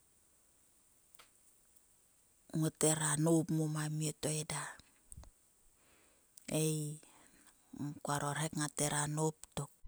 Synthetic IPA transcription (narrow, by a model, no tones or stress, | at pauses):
ŋoteɾanopmomamiotoeda | ej | kuaɾoɾhekŋateɾanop̚tok̚